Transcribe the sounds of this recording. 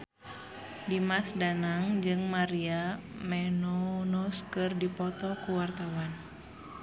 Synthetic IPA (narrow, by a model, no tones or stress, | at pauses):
dimasdanaŋd͡ʒɨŋmaɾiamɛnɔnɔskɨrdipɔt̪ɔkuwart̪awan